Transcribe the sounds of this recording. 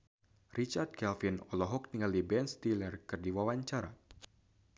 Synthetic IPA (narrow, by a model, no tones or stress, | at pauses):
rit͡ʃard̪̚kɛlfinɔlɔɦɔk̚niŋaldibɛnst̪ilərkɨrdiwawaɲt͡ʃaɾa̰